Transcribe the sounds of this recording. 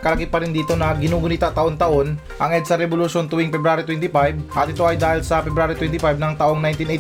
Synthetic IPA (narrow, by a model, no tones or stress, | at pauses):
kɐlɐkipɐɾɪnd̪iːt̪o̞nɐɡɪnuːɡʊnit̪ɐt̪ɐʔo̞nt̪ɐʔo̞n | ʔɐŋʔɛd̪sɐɾɛbolʊʃont̪ʊwiŋpɛbɾaːɾit̪wɛnt̪ɪpajbʔɐt̪ɪt̪o̞ʔɐjd̪aːhɪlsɐpɛbɾaːɾit̪wɛnt̪ɪpajb̚nɐŋt̪ɐʔo̞ŋnajnt̪inej